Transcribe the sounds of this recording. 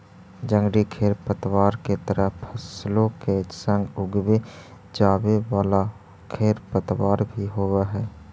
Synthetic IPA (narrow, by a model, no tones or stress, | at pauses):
d͡ʒə̃ŋɡɽikʰeːɾpət̪waːɾket̪əɾəpʰəsloked͡ʒsə̃ŋɡʊɡwe | d͡ʒaːwewaːla | kʰeːɾpət̪waːɾbʱiɦoːweɦɛː